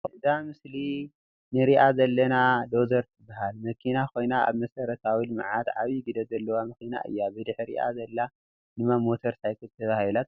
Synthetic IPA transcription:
ɨd̪amɨsli | nɨɾiʔazɐlːɐnad̪ozɐɾt̪ʰɨbːahalmɐkʰinakʰo̞jnaa̰βmɐsɐɾɐt̪ʰawilɨm̰ʕat̪ʕaβiɡɨd̪ɐzɐlːɐwamɨxina̰ʔɨ̰jːabɨd̪ɨħɾḭʔa̰zɐlːa | nɨmamːo̞t̪ʰɐɾsajkʰɨt̪ʰːɐβahilat̪̚

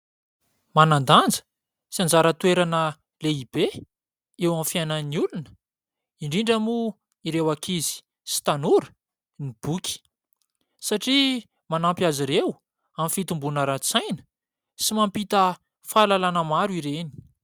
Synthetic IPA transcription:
manand̪and͡zə̥ | siand͡zaɾət̪ueɾanə | leib̥e | ewamfiajnəniulunə̥ | iɳɖ͡ʐiɳɖ͡ʐamu | iɾewakʰizi̥ | si̥t̪anuɾə̥ | nib̥ukʰi̥ | saʈ͡ʂi | manampjaziɾew | amfit̪umbunəɾat͡sajnə̥ | simampit̪ə | falalanəmaɾuiɾeni̥

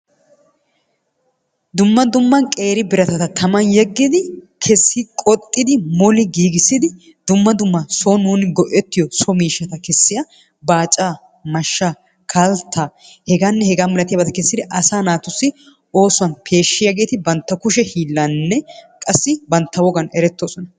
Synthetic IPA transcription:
d̪ʊmːɐd̪ʊmːɐnkʼe̞ːɾɪbɪɾɐt̪ɐt̪ɐt̪ʰɐmɐnjɛɡːɪd̪ɪ | kʰɛsːɪkʼɔt̪ʼːɪd̪ɪmɔlɪɡiːɡɪsːɪd̪ɪ | d̪ʊmːɐd̪ʊmːɐsɔnuːnɪɡɔʔɛt̪ːɪjɔsɔmiːʃːɐt̪ɐkɛsːɪjɐ | baːt͡ʃʼːaː | mɐʃːa | kʰalt̪ʰːa | hɛɡanːɛhɛɡaːmɛlɐt̪ɪjɐbɐt̪ɐkɛsːɪd̪ɪʔɐsaːnaːt̪ʊsːɪ | o̞ːsʊwɐnpʰe̞ːʃːɪjɐɡe̞ːt̪ɪbɐnt̪ːɐkʊʃɛhiːlːɐnːɛkʼɐsːɪbɐnt̪ːɐwɔɡɐnɛɾɛt̪ːoːsɔnɐ

